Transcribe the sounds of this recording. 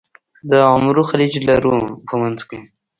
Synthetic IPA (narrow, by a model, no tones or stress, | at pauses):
d̪əɑmɾuxalid͡ʒlaɾupʰəmanzki